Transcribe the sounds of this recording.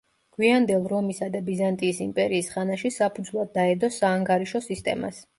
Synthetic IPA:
ɡ̥wiand̪ɛlˠɾɔmisad̪abizant̪ʼiːsimpʼɛɾiːsχanaʃisapʰud̪zvlˠad̪̚ːaɛd̪ɔsaːŋɡaɾiʃɔsist̪ʼɛ̰ma̰s

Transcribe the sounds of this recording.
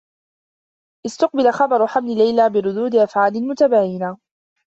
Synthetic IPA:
ʔɪst̪ʊq̚bɪlaxɑbɑɾˤʊħamnɪlajlaːbɪɾʊd̪uːd̪ɪʔafʕaːlɪnmʊt̪abaːʕjɪna

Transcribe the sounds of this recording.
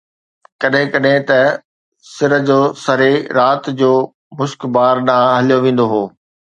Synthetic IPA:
kɐɗɦɪ̃kɐɗɦɪ̃t̪ɐ | sɪɾə̆d͡ʑoːsɐɾeɾaːt̪d͡ʑoː | mʊʃkbaːɾnaɦɐlijoʋẽːn̆d̪oɦoː

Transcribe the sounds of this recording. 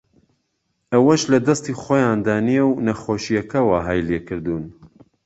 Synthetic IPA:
ɐwɐʃlɐd̪ɐst̪iːχoːjaːnd̪aːnijɛwnɐχoʃijɐkʰɐwaɦaːjlekɨɾd̪uːn

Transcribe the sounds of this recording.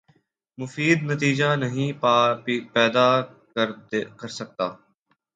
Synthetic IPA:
mʊfiːd̪̚nət̪iːd͡ʒaːnɐɦĩpapɛːd̪aː | kɾkɐɾsɐk̚t̪aː

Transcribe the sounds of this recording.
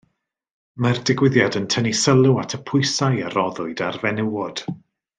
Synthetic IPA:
mərdɪɡwɪðjadəntʰənisəlˠʊatʰəpʰʊjsajəɾɔðʊɨdarvɛnɪwɔd̥

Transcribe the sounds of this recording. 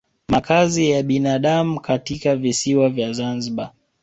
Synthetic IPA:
makazijaɓinaɗamukatikavisiwavjazanziɓa

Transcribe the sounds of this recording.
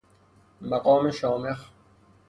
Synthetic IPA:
mɐqɔːmeʃɔːmex

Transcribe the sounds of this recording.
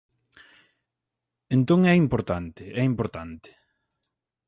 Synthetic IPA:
ẽnt̪õŋɛimpoɾt̪ant̪ɪɛimpoɾt̪ant̪ɪ̥

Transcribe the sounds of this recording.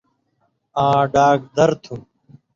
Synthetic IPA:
ãːɖaːk̚d̪ɐɾt̪ʰu

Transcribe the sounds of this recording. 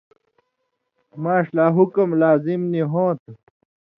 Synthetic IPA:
maːʂlaːɦukɐmlaːzimniɦõːt̪ʰ

